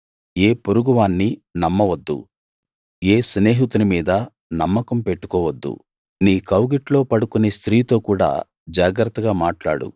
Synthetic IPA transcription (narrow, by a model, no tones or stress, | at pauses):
eːpoɾuɡuʋaːnːinɐmːɐʋɐd̪ːṵ | e̞ːsne̞ːɦit̪unimiːd̪ɐ | nɐmːɐkɐmpe̞ʈːu̥kɔːʋɐd̪ːṵ | niːkɐwɡiʈlo̞ːpɐɽukune̞ːst̪ɾiːt̪o̞ːkuːɽa̰ː | d͡ʒaːɡɾɐt̪ːɐɡaːmaːʈla̰ːɽṵ